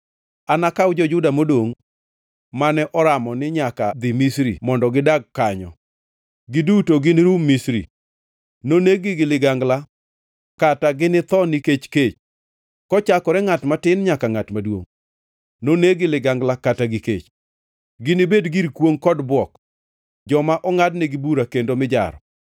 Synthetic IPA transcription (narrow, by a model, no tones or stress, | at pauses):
anakawd͡ʒɔd͡ʒʊdamodoŋ | manɛʔɔɾamɔnɪɲakad̪ɪmisɾḭmɔndɔɡɪdaɡ̚kːaɲɔ̰ | ɡɪdutoɡɪnɪɾumisɾḭ | noneɡɪɡɪlɪɡaŋɡla | kataɡɪnɪt̪ɔnɪket͡ʃket͡ʃ | kɔt͡ʃakɔɾɛŋatmatɪnɲakaŋatmadwo̰ŋ | noneɡɪlɪɡaŋɡlakataɡɪkḛt͡ʃ | ɡɪnɪbedɡiɾkwoŋkɔdbwɔk | d͡ʒɔmaʔɔŋadnɛɡɪbuɾakendomɪd͡ʒa̰ɾɔ